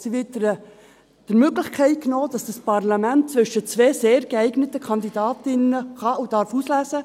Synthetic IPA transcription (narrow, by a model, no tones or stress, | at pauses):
siʋɪtdəɾ | d̥əɾmøɡlɪχkʰæɪt̚knoːd̥ɑsd̥ɑspɑrlɑmæntt͡sʋʏʃət͡sveːzeːɾɡəæɪɡnətəkʰɑnd̪idɑːtɪnəχɑʔudɑɾfuːslæːsə